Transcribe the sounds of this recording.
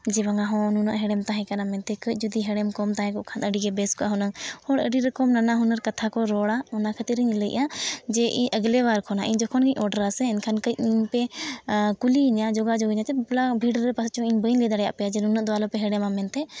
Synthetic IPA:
d͡ʒɛbaŋaɦɔ̃nunəʔɦɛɖɛmt̪aɦɛ̃kanamɛnt̪ɛkəc̚ˀd͡ʒud̪iɦɛɽɛmkɔmt̪aɦɛ̃kɔʔkʰanəɖiɡɛbɛskɔʔaɦɔnaŋhɔɽə̰ɖiɾɛkɔmnanaɦunəɾkat̪ʰakɔɾɔɽaɔnakʰət̪iɾəɲləjʔad͡ʒɛʔiɲʔəɡlɛwaɾkʰɔnaʔiɲd͡ʒɔkʰɔnkəɲɔɖəɾasɛːɲkʰankəɲiɲpɛ | kuliɲad͡ʒɔɡad͡ʒɔɡəɲat̪ɛblabʱiɖɾɛpast͡ʃɔiɲbənlɛd̪aɽɛja̰ʔpɛjad͡ʒɛnunəʔd̪ɔalɔpɛɦɛɖɛmamɛnt̪ɛ

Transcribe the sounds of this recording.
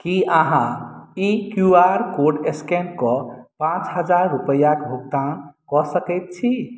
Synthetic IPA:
kiʔəɦãikjuaɾkoɾɖeskenkɔpãt͡ʃɦəd͡ʒaɾːupəjakbʱuɡ̚t̪ãnkɔsəkɛjt̪̚t͡ʃʰi

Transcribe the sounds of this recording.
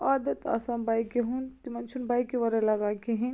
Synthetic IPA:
ad̪ɐt̪ɐ̰sãnbajkeɦunt̪imɐnt͡ʃʰunbajkeʋɐɾɐlɐɡakeɦĩn

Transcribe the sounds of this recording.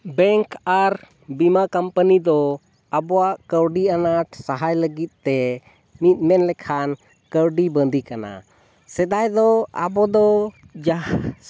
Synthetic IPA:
bɛŋkʰaɾ | bimakampənid̪ɔ | abɔwaʔkəwɖianaʈsaɦajləɡit̪̚ˀt̪ɛ | mit̪̚ˀmɛnlɛkʰan | kəɾɖibənd̪ʱikana̰ | sɛd̪ajd̪ɔa̰bɔd̪ɔ | d͡ʒa

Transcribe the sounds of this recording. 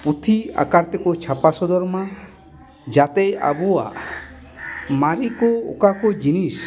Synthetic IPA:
put̪ʰia̰kaɾt̪ekɔt͡ʃʰapasɔd̪ɔɾma | d͡ʒat̪ɛja̰bua̰ | maɾikoo̰kakɔd͡ʒinis

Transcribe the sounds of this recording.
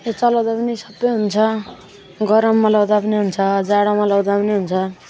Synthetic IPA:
jet͡sʌlawd̪apʌnisʌbːʌjɦunt͡sʰʌ | ɡʌɾʌmːʌlawd̪apʌniɦunt͡sʰʌd͡zaɽamʌlawd̪apʌniɦunt͡sʰʌ

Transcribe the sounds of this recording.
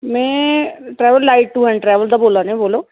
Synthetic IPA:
mɛ̃ːʈɾɛːʋəlːaːɪʈːuːɦɛ̃ːɳʈɾɛːʋəld̪aːboːlaːnẽːboːloː

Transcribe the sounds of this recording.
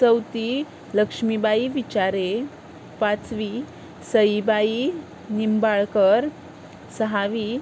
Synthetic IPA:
t͡səwt̪i | ləkʂmibaiʋit͡ɕaɾe | pat͡sʋi | səjibai | nimbaɭkəɾ | səɦaʋi

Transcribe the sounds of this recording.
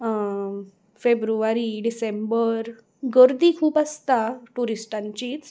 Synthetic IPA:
febɾuʋaɾiɖisẽmbəɾ | ɡəɾd̪iːkʰuːpast̪aʈuɾisʈãɲt͡ɕiːt͡s

